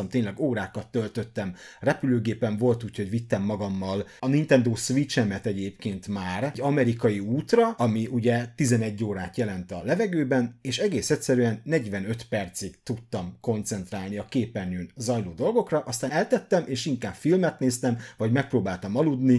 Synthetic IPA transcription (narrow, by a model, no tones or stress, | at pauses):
ɒmt̪eːɲlɛɡoːɾaːkɒt̪ːølt̪ø̞t̪ːɛmrɛpyløːɡeːpɛɱvo̞lt̪uːcho̞ɟvit̪ːɛmːɒɡɒmːɒlɒnint̪ɛnd̪oːsʋit͡ʃɛmɛt̪ɛɟeːpkeːnt̪maːrɟɒmɛɾikɒjiuːt̪rɒɒmiʔuɟɛt̪izɛnɛɟːoːɾaːt̪jɛlɛnt̪ɒlɛvɛɡøːbɛneːʃɛɡeːsɛcʲsɛɾyɛnːɛɟvɛnø̞t̪pɛrt̪sikt̪ut̪ːɒmko̞nt̪sɛn̪t̪raːlniɒkeːpɛrnyːnzɒjloːd̪o̞lɡo̞krɒʔɒst̪aːɛlt̪ɛt̪ːɛmeːʃiŋkaːpfilmɛt̪neːst̪ɛmvɒɟmɛk̚proːbaːlt̪ɒmɒlud̪ni